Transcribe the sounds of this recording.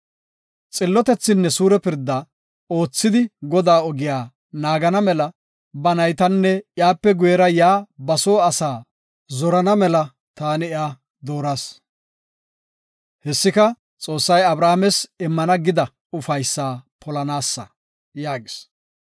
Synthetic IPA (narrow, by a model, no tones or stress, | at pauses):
t͡sʼɪlːɔt̪ɛt͡sːɪnːɛsuːɾɛpɪɾd̪ːɐ | o̞ːt͡sːɪd̪ɪɡɔd̪aːɔɡɪjaː | naːɡɐnɐmɛlɐ | bɐnɐjt̪ɐnːɛjaːpːɛɡʊjɛɾɐjaːbɐsoːɐsaː | zɔɾɐnɐmɛlɐ | t̪aːnɪɪaː | d̪o̞ːɾas | hɛsːɪkɐ | t͡sʼo̞ːsːɐjɐbɾaːmɛsɪmːɐnɐɡɪd̪ɐ | ʊfɐjsːaːpʰɔlɐnaːsːɐ̰ | jaːɡɪs